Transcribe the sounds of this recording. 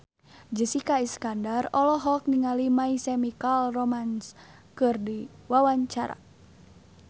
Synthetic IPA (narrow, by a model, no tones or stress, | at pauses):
d͡ʒəsikaiskandarɔlɔɦɔk̚niŋalimaisɛmikalrɔmans | kɨrdiwawaɲt͡ʃaɾa̰